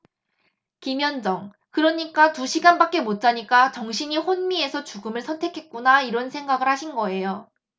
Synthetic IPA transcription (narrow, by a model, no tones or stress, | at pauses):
kimjʌnd͡ʑʌŋ | kɯɾʌɲik͈atuɕʰiɡanbak͈̚e̞mot̚t͡ɕ͈aɲik͈at͡ɕʌŋɕʰiɲiɸonmie̞sʰʌt͡ɕuɡɯmɯɭsʰʌntʰe̞kʰe̞t̚k͈unaiɾʌnsʰeŋɡaɡɯɭhaɕʰinɡʌe̞jo